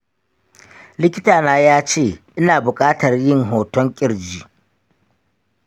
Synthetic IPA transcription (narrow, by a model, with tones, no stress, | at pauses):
lɪ˦kʲɪ˦taː˨naː˦jaː˦t͡ʃeː˦˨ʔɪ˦naː˨bʊ˨kʼaː˦tɐ˨rjɪ˦˨ŋɦoː˨tɔ˦ŋkʲʼɪ˦ɽd͡ʒiː˨